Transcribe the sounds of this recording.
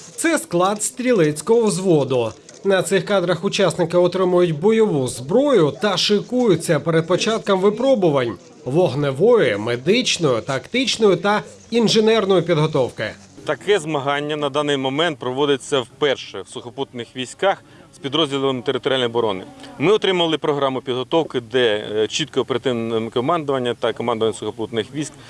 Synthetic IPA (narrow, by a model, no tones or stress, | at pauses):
t̪sɛsklˠɑd̪st̪ɾʲilˠɪt͡sʲkɔɦɔwzʋɔd̪ʊ | nɐt̪sɪxkɑd̪ɾɐxʊt͡ʃɑsnɪkɪɔt̪ɾɪmʊjʊtʲbɔjɔʋuzbɾɔjʊt̪ɐʃɪkujʊt͡sʲːɐpɛɾed̪̚pɔt͡ʃɑt̪̚kɐmʋɪpɾɔbʊʋɐnʲ | ʋɔɦneʋɔjɪmed̪ɪt͡ʃnɔjʊt̪ɐkt̪ɪt͡ʃnɔjʊt̪ɐ | inʒenɛrnɔjʊpʲid̪ɦɔt̪ɔwkɪ̰ | t̪ɐkɛzmɐɦɑnʲːɐnɐd̪ɑnɪjmɔmɛnt̪̚pɾɔʋɔd̪ɪt͡sʲːɐwpɛrʃɛwsʊxɐput̪nɪxʋʲisʲkɑx | spʲid̪ɾɔzʲdʲilˠɔmt̪eɾɪt̪ɔɾʲalʲnjɔbɔɾɔnɪmɪɔt̪ɾɪmɐlˠɪpɾɔɦɾɑmʊpʲid̪ɦɔt̪ɔwkɪd̪ɛt͡ʃit̪̚kɔɔpeɾɐt̪ɪkɔmɑnd̪ʊʋɐnʲːɐt̪ɐkɔmɑnd̪ʊʋɐnʲsʊxɐput̪nɪxʋʲisʲk